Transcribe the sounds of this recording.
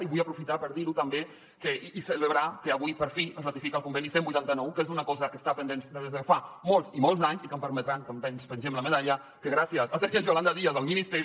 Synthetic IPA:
iβujapɾufit̪apəɾðiɾut̪əmbe | kəisələβɾakəaβuipəɾfiəzrət̪ifikaəlˠkumbɛnisembujt̪ant̪ənɔwkezunəkɔzəkəst̪apənd̪enzd̪əðəzðəkəfamɔlˠzimɔlˠzaɲsikəmpəɾmət̪ɾaŋkəmpɛnspənʒɛmləməðaʎə | kəɣ̞ɾasiəzat̪əɾəʒoland̪əðiəzəlˠminist̪ɛɾ

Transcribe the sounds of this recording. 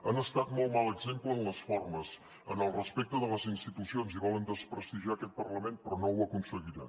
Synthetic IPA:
ənəst̪at̪mɔlˠtmalˠəɡzempləːnləsforməz | ənəlˠrəspek̚t̪əðələzinst̪it̪usionziβɔlənd̪əspɾəst̪iʒaːkɛt̪̚pərləmenpɾɔnowəkunsəɣiɾa̰

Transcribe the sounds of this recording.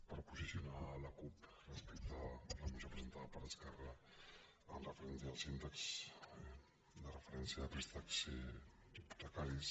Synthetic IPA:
pəɾpuzisjonalakup | rəspɛk̚t̪alamizopɾezent̪aðapəɾəskɛra | anrəfəɾɛnsjiaalˠsint̪ɛks | d̪ərəfəɾɛnsjapist̪aksi | d̪ipu̥t̪akais

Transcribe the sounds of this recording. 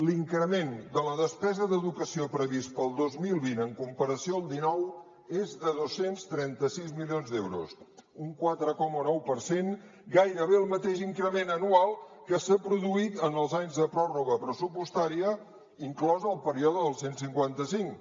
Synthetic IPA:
liŋkɾəmend̪ələðəspɛzəðəðukəsiopɾəβispəlˠd̪ozmilˠβinəŋkumpəɾəsioəlˠd̪inɔw | ezðəðosenst̪ɾɛnt̪əsizmilionzd̪ewɾṵsuŋkwat̪ɾəkɔmənɔwpəɾsen | ɡajɾəβeəlˠmət̪eʒiŋkɾəmenənualˠkəsəpɾuðuit̪ənəlˠzaɲzðəpɾɔruɣəpɾəsupust̪aɾiə | iŋklɔzəlˠpəɾiɔðəðəlˠsensiŋkwant̪əsiŋ

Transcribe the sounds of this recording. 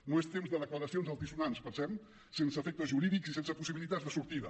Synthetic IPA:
noest̪emzðəðəkləɾəsionzəlˠt̪isunanspɔt̪sɛɾ | sensəfek̚t̪ozʒuɾiðiksisensəpusiβilit̪adzðəsuɾt̪iðə̰

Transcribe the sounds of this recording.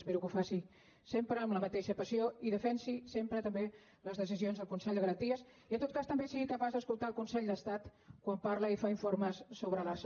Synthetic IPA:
speɾukəfasi | sempɾəːmləmət̪eʃəpəsioiðəfɛnsisempɾət̪əmbe | ləzðəs̬izionzðəlˠkunsɛʎd̪əɣəɾənt̪iəs | iənt̪ot̪̚kast̪əmbesiɣikəpazðəskulˠt̪aəlˠkunsɛʎd̪əst̪at̪kwampaɾləifaiɱfoɾməsːoβɾələs

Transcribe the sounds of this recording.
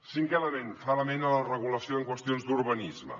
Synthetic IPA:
siŋkɛləmenfaləmenələrəɣ̞uləsioəŋkwəst̪ionzd̪uɾβənizmə̰

